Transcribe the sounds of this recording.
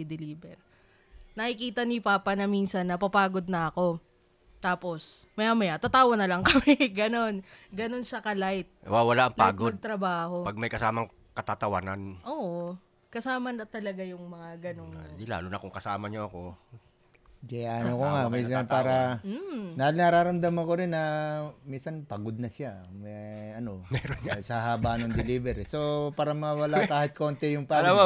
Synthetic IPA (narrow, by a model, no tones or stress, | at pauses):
d̪ɛliːbɛɾ | nɐʔɪkiːt̪ɐnipaːpɐnɐmiːnsɐnːɐpɐpaːɡo̞d̪̚nɐʔɐko̞ | t̪aːpo̞smɐjamɐjat̪ɐt̪aːwɐnɐlɐŋkɐmɛɡɐno̞nɡɐno̞nʃɐkɐlajt̪̚wawɐlaʔɐŋp̪a̰ːɡoɐdɐdɡ̚t̪ɾɐbaːho̞pɐɡ̚mɐjkɐsaːmɐŋ | kɐt̪at̪ɐwa̰nanʔoːʔo | kɐsaːmɐnɐt̪ɐlɐɡajʊŋmɐŋaɡɐnoŋd̪ɪla̰ːlʊnɐkoŋkɐsaːmɐɲoʔɐko̞ | kɐjanokoŋaʔminsɐnpaːɾɐ | nɐnɐɾaːɾɐmd̪amɐnkoɾɪnːɐminsɐnpɐɡod̪̚nɐsɪa | mɐɐno̞mɛːɾoasaɦaːbanoŋd̪ɪlibɛɾɛso̞paːɾɐmɐŋawɐlakaːhɪt̪̚ko̞ːnt̪ɛjʊŋpaːlama